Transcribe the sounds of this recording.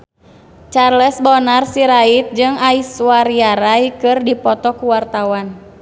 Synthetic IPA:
t͡ʃarlɛsbɔnarsiɾait̪̚d͡ʒɨŋaiswaɾiaɾaikɨrdipɔt̪ɔkuwart̪awan

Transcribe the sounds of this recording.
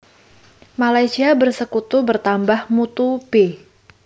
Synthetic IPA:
malajsiabərsəkut̪ubərt̪ambahmut̪ube

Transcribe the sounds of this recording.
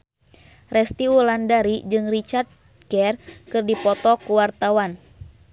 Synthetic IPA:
rɛst̪iwulandaɾid͡ʒɨŋrit͡ʃart̪̚ | kɛrkɨrdipɔt̪ɔkuwart̪awan

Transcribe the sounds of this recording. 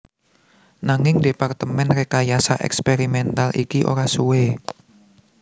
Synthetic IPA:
naŋɪŋdepart̪əmɛnrekajasaʔɛ̰kspeɾimɛnt̪alʔikiʔo̰ɾasuwe

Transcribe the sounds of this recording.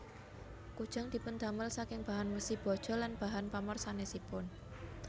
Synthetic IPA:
kud̥ʒ̥a̤ŋd̪̥i̤pʊnd̪aməlsakɪŋb̥a̤ɦanməsihb̥ɔ̤d̥ʒ̥ɔ̤lanpaɦanpamərsanesipʊn

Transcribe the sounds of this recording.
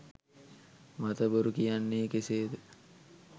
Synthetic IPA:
mat̪əbəɾukijanːeːkeseːd̪ə

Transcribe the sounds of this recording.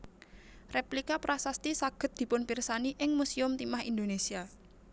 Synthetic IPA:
replikapɾasast̪isaɡ̥ə̤t̪̚d̪̥i̤pʊnpirsaniʔɪŋmusiʊmt̪imahind̪onesia

